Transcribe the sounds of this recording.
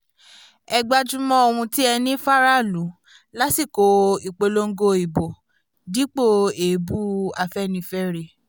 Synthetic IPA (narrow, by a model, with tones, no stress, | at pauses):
ɛ˧ɡ͡ba˧d͡ʒũ˦mɔ̃˦o˧hũ˧ti˦ɛ˧nĩ˦fa˦ɾa˦˨lu˨˦ | la˦si˦˨ko˨˦i˨k͡pe˧lo˦ŋ̩˦ɡo˧i˨bo˨ | di˨˦k͡po˦e˨˦bu˦a˧fɛ˦nĩ˧fɛ˦ɾe˧